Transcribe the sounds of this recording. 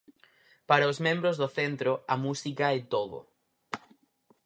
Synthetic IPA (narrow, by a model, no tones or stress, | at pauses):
paɾaozmẽmbɾozðoθent̪ɾoɐmusikaɛt̪oðʊ̰